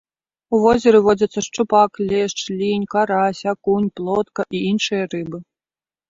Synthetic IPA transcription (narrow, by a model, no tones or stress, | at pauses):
uvɔzʲɛɾɨvɔd͡zʲɐt̪sːɐʂt͡ʂupaklʲɛʂt͡ʂlʲinʲkaɾasʲakunʲplˠɔt̪kɐʔiinʂɨjɐrɨbɨ